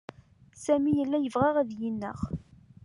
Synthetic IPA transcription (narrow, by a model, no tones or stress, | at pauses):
sæmijəlːæjəvʁaʁæðjinːə̰χ